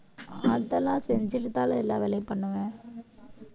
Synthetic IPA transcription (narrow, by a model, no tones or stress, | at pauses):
ɐðɐlãːsɛɲd͡ʒɪɾɯt̪ːaːlɐɛlːãːʋɛlɐɪpːɐɳːɯʋẽː